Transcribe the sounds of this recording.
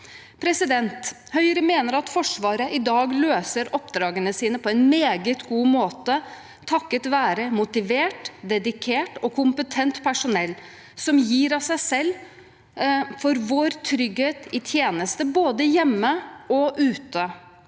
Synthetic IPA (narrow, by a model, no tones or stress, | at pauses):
pʰɾɛsɪd̪ɛnt̪ | hœʏɾəmeːnəɾɑt̪fɔʂʋɑːɾəʔɪd̪ɑːɡløːsəɾɔpd̪ɾɑːɡənəsiːnəpʰɔɛnmeːɡət̪ɡuːmoːt̪ə | t̪ʰɑkːət̪ʋæːɾəmʊt̪ɪʋeːʈd̪ɛd̪ɪkʰeːʈɔkʰʊmpət̪ʰɛnt̪pʰæʂʊnɛlː | sɔmjiːɾɑsæɪsɛlː | fɔɾʋoːɾt̪ʰɾʏɡheːt̪ɪt̪ʰjeːnəst̪əboːd̪əjɛmːəɔʔʉːt̪ə